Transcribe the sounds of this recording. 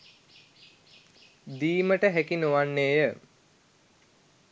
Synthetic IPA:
d̪iːməʈəɦækinoʋanːeːjə

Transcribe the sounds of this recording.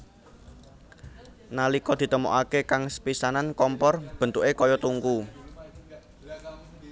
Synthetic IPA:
nalikɔd̪̥i̤t̪əmo̰ʔakekaŋspisanankɔmpɔrb̥ə̤nt̪uʔekɔjɔt̪uŋku

